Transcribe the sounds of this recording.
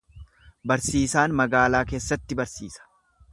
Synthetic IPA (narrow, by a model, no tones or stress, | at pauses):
bɐɾsiːsaːnmɐɡaːlaːke̞ːsːɐt̪ːɪbɐɾsḭːsɐ̥